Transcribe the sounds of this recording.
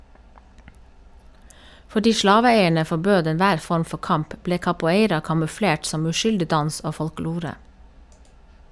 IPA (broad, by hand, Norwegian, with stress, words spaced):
fɔˈɖiː ˈʃlɑːʋəˌeɪəɳə fɔˈbøːd ɛnˈʋæːɾ ˈfɔɾm ˈfɔ ˈkɑmp ˈbleː kɑpʊˈeɪɾɑ kɑmʉˈfɽeːʈ ˈsɔm ʉˈʃʏldɪ ˈdɑns ˈoː fɔlˈkloːɾə